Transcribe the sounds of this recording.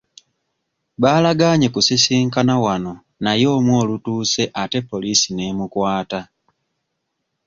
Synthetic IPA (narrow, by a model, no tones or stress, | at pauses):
βaːlaɡaɲe̞kusisiːŋkanawano̞ | najo̞ːmwo̞ːlutuːse̞ʔate̞pːo̞lisine̞mukwaːta